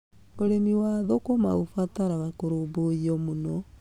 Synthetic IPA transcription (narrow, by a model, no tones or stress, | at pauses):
oɾemiwaðokoma̰ofataɾaβakoɾoboiɔmunɔ